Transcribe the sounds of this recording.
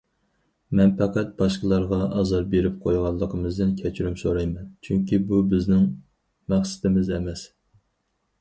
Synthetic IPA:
mɛnpʰɑqɑt̪̚b̥ɑʃqəlˠɑɾʁɑʔɑzɑɾbeɾɪp̚qʰojʁɑlˠːəqʰəmɨzd̪ɨnkʲʰɛt͡ʃʰyɾymsoɾɑjmɛnt͡ʃʰyŋkʲibubɪznɪŋ | mæχsɪ̥t̪ʰɪmɪzɛmɛs

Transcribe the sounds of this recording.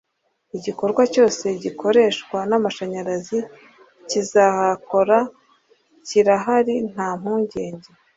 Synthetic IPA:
iɟiko̞ɾɡwaco̞ːse̞ɟikʰo̞ɾe̞ːʃkwanamaʃaɲaɾazi | cizahako̞ɾa | ciɾaɦaɾin̥haːm̥huːɲɟe̞ːɲɟe̞

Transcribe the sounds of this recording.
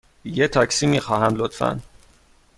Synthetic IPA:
jet̪ʰɒcsiːmiːxɒːɦæmlot̪fæ̰n

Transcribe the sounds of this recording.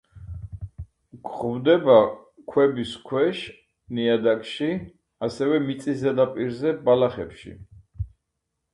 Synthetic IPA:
ɡχvd̪ɛba | kʰwɛbiskʰwɛʃ | niad̪akʼʃi | asɛvɛmit̪sʼisɛd̪apʼiɾzɛbalaχɛpʃḭ

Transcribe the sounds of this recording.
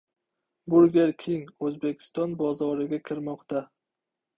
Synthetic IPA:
bʊɾɡʲeɾkʲʰeŋɵzbe̞kʲʰɪ̥st̪ɒnbɒzɒɾɪɡʲakʲʰɪɾmɒqt̪a

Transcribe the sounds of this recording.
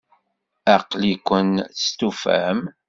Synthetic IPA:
æqlikʷənst̪ufæ̰m

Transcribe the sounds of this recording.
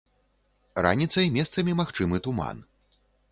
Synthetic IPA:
ɾa̰nʲit̪sɐjmʲɛst̪sɐmʲimaxt͡ʂɨmɨt̪uma̰n

